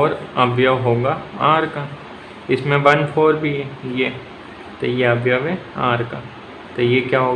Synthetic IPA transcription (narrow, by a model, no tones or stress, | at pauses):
ɔːɾɐbʱjəʋɦoːɡaaːɾka | ɪsmẽʋɐnpʰoːɾbʱiɛje | t̪ojeɐbjəʋɛaːɾka | t̪ojekjaːɦoː